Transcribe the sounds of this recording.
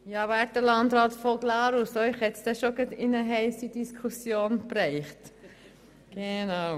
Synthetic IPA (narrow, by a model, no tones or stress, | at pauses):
jɑːvæːɾd̥əlɑndɾɑːtfoɡlɑːɾusɔʏχhɛt̪sd̥ɛʃoɡətɪnəɦɛɪsid̥iskʰusjoːnprɛɪχt | ɡ̥enaʊ